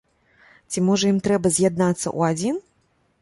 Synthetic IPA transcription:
t͡sʲimɔʐɐjimt̪ɾɛbɐzʲjad̪̚nat̪sːɐ̰ʔṵad͡zʲin

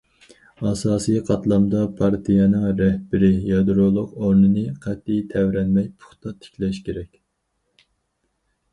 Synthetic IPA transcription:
ɑsɑːsɨjqʰɑt̪lˠɑmd̪ɑpʰɑɾt̪ʰijɛnɪŋɾɛhbɪɾɪjɑd̪ɾolˠʊqoɾnɨnɨqʰæt̪ːijt̪ʰɛwɾɛnmɛjpʰʊ̥χt̪ɑt̪ʰɪ̥kʲlɛʃkʲʰeɾɛkʲ

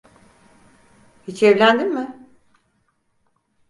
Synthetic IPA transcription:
hit͡ʃʰɛvlʲænd̪immɪ

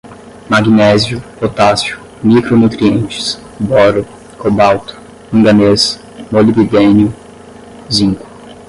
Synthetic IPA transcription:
maɡinɛzjʊpot̪asiʊ | mikɾonut̪ɾiẽnt͡ʃɪ̥s | bɔɾʊ | kʰobawt̪ʊ̥ | ũŋɡ̪ɐnes | molibid̪ẽnjʊ | zĩŋkʊ̥

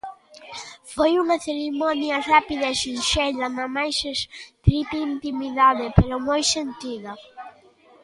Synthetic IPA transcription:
fojuŋɐθeɾimɔnjɐrapiðaeʃinʃɛʎɐnamajsest̪ɾip̪eint̪imiðaðepeɾomojsent̪iðɐ

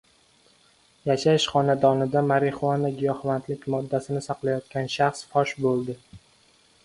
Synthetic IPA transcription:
jaʃaʃχɒnad̪ɒnɪd̪amaɾɪχuanaɡʲijɒhvant̪lɪkʲmɒd̪ːasɪnɪsaqlˠajɒt̪kʲanʃaχsfɒʃbolˠd̪ɪ

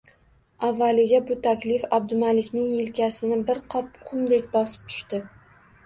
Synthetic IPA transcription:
avːalɪɡʲabʊt̪ʰakʲlɪfab̚d̪ʊmalɪkʲnɪŋjɪlkʲasɪnɪbɪɾqʰɒp̚qʰʊmd̪ekʲbɒsɪ̥p̚t̪ʰʊ̥ʃt̪ɪ

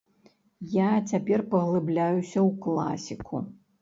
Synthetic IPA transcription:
jat͡sʲapʲɛrpɐɣlˠɨblʲajusʲɐwklˠa̰sʲikʰṵ

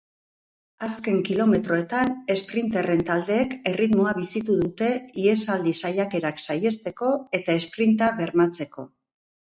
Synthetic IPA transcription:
aske̞ŋkilo̞me̞t̪ɾo̞e̞t̪ane̞spɾint̪ere̞nt̪ald̪e̞ːke̞rit̪mo̞aβisit̪uðut̪e̞ie̞sald̪isajake̞ɾaksaje̞st̪e̞ko̞e̞t̪ae̞spɾint̪aβe̞ɾmat͡se̞ko̞

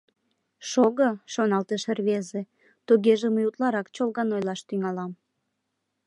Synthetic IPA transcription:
ʃoɣoʃonɑlt̪eʃerβeze | t̪uɣeʒeməjut̪lɑɾɑkt͡ɕolɣɑnojlɑʃt̪yŋɑlɑm

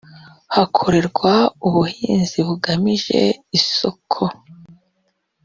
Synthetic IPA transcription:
hakʰo̞ɾe̞ɾɡwauβuhiːnziβuɡamiʒe̞̰iso̞kʰo

